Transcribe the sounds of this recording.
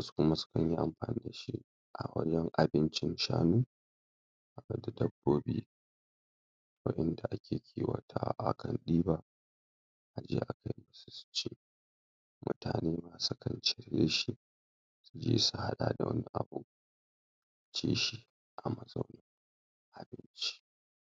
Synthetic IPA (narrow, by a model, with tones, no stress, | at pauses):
su̥˦kʷʊ˦ma˦sʊ̥˦kɐ˨ɲji˦ʔa˨mɸaː˨niː˦da˨ʃi˦ | ʔa˨wɐ̰˦d͡ʒɛ˦ŋʔa˨bɪ˦nt͡ʃɪ˦nʃa̰ː˦nuː˦ | ʔa˨bɐ˦da˨dɐ˦bːoː˦biː˦ | wɐ̰˦ʔɛ˦nda˨ʔa˦kʲeː˨kʲʰiː˦wɐ̰˨tʰa˦ʔa̰˨kɐ˨nɗiː˦ba˦ | ʔa˨d͡ʒeː˦ʔa˨kʰa˦jma˦su̥˦su̥˦t͡ʃeː˦ | mʔʊ̰˦ta̰ː˨neː˦maː˨su˦kɐ˨nt͡ʃɪ˨ɾjeː˦ʃi˦ | su˨d͡ʒeː˦su˨ha˦ɗaː˨da˨wɐ̰˦nːi˦ʔa˨bu˦ | a˨t͡ʃeː˦ʃi˦ | ʔa˨mɐ˨zɐ˦wnɐ˦ŋ | ʔa˨bɪ˦nt͡ʃi̥˦